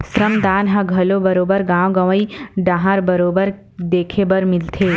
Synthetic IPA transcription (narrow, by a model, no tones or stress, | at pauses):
sɾəmd̪aːnɦɐɡʱɐlobɐɾoːbəɾɡãːʋɡɐʋəiɖãːɦaːɾbɐɾoːbəɾ | d̪eːkʰebɐɾmɪlt̪ʰeː